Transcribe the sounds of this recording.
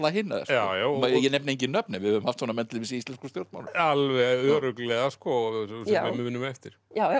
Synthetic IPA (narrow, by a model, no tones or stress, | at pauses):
laɦɪnːa̰ðɛ̰sawjamajɛnɛpnejɲcɪnœpnɛvɪðhœvʏmhaft̪sfɔnamɛnt̪lɪvisɪist̪lɛnskɾ̥st̪jowlt̪ma̰nʏalvɛœːɾʏklɛɣaskɔssɛmːɪmɪnːʏmɛft̪ɪɾ̥ja